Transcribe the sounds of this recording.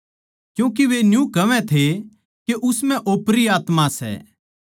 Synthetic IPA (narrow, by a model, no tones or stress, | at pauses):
kjũːk̬eʋenjũkɐʋɛ̃t̪ʰe | keʔʊsmɛ̃ʔoːpɾiaːt̪mãsɛ̰ː